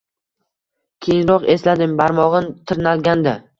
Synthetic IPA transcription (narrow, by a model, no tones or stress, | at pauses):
kʲʰejŋɾɒqe̞slad̪ɪmbaɾmɒʁɨnt̪ʰɪɾnalɡʲand̪a